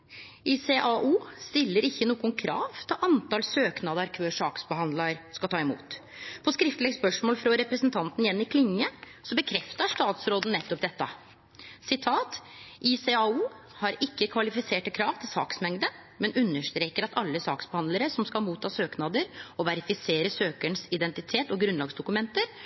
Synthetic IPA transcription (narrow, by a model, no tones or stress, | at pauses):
iseʔɑʔuːst̪ɪlːəɾɪçːənuːɡʊnkʰɾɑ̰ːʋt̪ʰɪlʔɑnt̪ɑlsøːknɑd̪əɾkʰʋøːʂɑːksbəhɑnd̪lɑɾskɑlt̪ʰɑːɪmṵːt̪pʰɔskɾɪft̪lɛɡspœʂmoːlfɾɑɾɛpɾɛsənt̪ʰɑnt̪njɛnːɪkʰlɪŋːə | sɔbəkʰɾɛft̪ɑʂt̪ɑːt̪sɾoːd̪n̩nɛt̪ːɔp̚d̪ɛt̪ːɑ̰ | sɪt̪ʰɑːt̪isɛɑuː | hɑɾɪkːəkʰʋɑlɪfɪseːʈəkʰɾɑːʋt̪ʰɪlsɑ̰ːksmɛŋd̪ə | mɛnʉnːəʂt̪ɾeːkəɾɑt̪ɑlːəsɑːksbəhɑnd̪ləɾəsɔmskɑlmuːt̪ʰːɑːsøːknɑd̪əɾɔʋæɾɪfɪseːɾəsøːkəɳsɪd̪ɛnt̪ɪt̪ʰeːt̪ɔɡɾʉnlɑːɡsd̪ʊkʉmɛnt̪əɾ